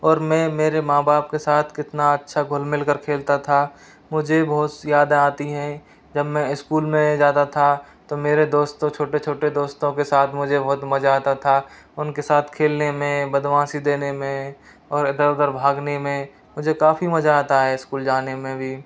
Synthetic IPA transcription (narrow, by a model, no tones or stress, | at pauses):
ɔːɾmɛ̃ːmeːɾemaːbaːpkesaːt̪ʰkɪt̪naɐtːʃʰaɡʱʊlmɪlkəɾkʰeːlt̪at̪ʰa | mʊd͡ʒʱebɐɦt̪jaːd̪aːt̪iɦɛ̃ | d͡ʒɐbmɛ̃ɪskuːlmẽd͡ʒaːt̪at̪ʰat̪omeːɾed̪oːst̪õt͡ʃʰoːʈet͡ʃʰoːʈed̪oːst̪õkesaːt̪ʰmʊd͡ʒʱebɐɦt̪mɐd͡ʒaːt̪at̪ʰa | ʊnkesaːt̪ʰkʰeːlnemẽbəd̪wãːsid̪eːnemẽ | ɔːɾɪd̪əɾɪd̪əɾbʱaːɡnemẽ | mʊd͡ʒʱekaːfimɐd͡ʒat̪aɦɛɪskuːld͡ʒaːnemẽbʱiː